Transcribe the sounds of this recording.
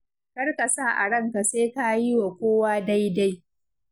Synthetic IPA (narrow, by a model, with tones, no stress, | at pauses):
kɐ˦rka˨sa˦˨ʔa̰˨ɽɐ˦ŋka˨seː˦ka˦ji˦wa˨kʷoː˦waː˦da˦jda˦j